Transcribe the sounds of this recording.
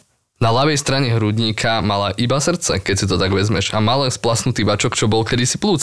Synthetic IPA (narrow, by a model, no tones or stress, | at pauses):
nalaʋɛjst̪ɾaɲɛɦɾuɟ̪ɲikʰamalaʔibasr̩t̪t͡sɛ̰kɛcsit̪ɔt̪aɡʋɛzmɛʒamalɛnsplasnut̪iːʋat͡ʃɔkt͡ʃɔbɔlkɛd̪isipluːt͡s